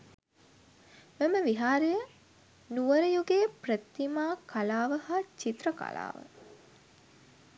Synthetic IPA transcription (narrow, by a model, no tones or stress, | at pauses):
meməʋiɦaːɾejə | nuʋəɾəjuɡeːprət̪ːimaːkʰalaːʋəhaːt͡ʃit̪ɾəka̰la̰ːʋə̰